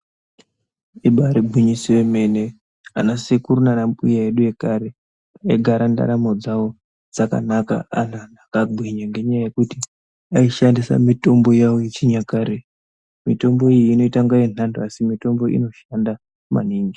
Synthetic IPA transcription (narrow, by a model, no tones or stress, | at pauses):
iɓaɾibʱuɲisiweme̞ne̞ | a̰nasekuɾunanampujaeɗuje̞kaɾe | aeɡʱaɾanda̰ɾamo̞d͡zawo̞ | d͡zaka̰naka̰a̰nanakaɡʱiɲaŋɡe̞ɲajaje̞kuti | aiʃandisa̰mito̞mbo̞jawojet͡ʃiɲakaːɾe | mito̞mbo̞ijːno̞itaŋɡajen̤anduasimito̞mbo̞ʔḭno̞ʃanda | ma̰niːŋɡi